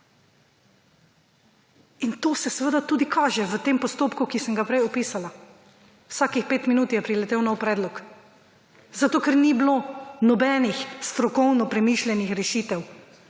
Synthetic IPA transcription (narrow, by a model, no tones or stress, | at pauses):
int̪oːsɛsʋəd̪at̪uːd̪ikʰaːʒɛʋət̪eːmpɔst̪oːpkukisəmɡapɾɛjɔpiːsala | wsaːkixpeːt̪minuːt̪jɛpɾilɛt̪eːwnɔwpɾɛːd̪lɔk | zat̪oːkɛɾnibloːnɔbɛːnixst̪ɾɔkɔwnɔpɾɛmiːʃlʲɛnixɾɛʃiːt̪ɛw